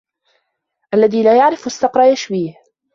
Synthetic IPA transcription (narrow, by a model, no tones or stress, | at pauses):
ʔalːaðiːlaːjaʕɾɪfasːɑqɾˤɑjaʃbiːh